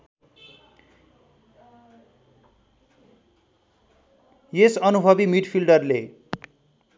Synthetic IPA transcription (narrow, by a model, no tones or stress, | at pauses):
jesʌnubʱʌbimiɖpʰilɖʌrle